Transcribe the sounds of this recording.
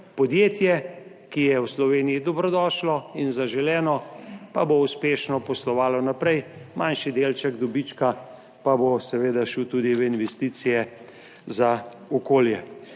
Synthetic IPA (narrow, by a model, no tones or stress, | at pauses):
pɔd̪jeːt̪jɛ | kijɛwslɔʋeːnijid̪ɔbɾɔd̪ɔːʃlɔinzaʒɛlɛːnɔpabouspeːʃnɔpɔslɔʋaːlɔnapɾɛjmanʃid̪eːlt͡ʃɛɡd̪ɔbit͡ʃka | pabosɛʋeːd̪aʃuwt̪uːd̪iʋɛinʋɛst̪iːt̪sijɛ | za | ɔkoːljɛ